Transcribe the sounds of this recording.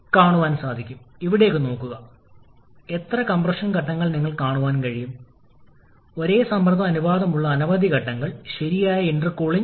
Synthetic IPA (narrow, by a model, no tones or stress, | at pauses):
kaːɳuʋaːnsaːd̪ʱikʲːumiʋiɽe̞ːkːɨno̞ːkːuɣɐ | et̪rɐkɐmprɐʂɐnkɐʈːɐŋːɐɭniŋːɐɭkaːɳuʋaːnkɐɻijum | o̞ɾe̞ːsɐmbrɐðɐɐnuʋaːðɐmuɭːɐːnɐʋɐd̪ʱikɐʈːɐŋːɐɭɕɐɾijaːjɐindrɨkːoːɭi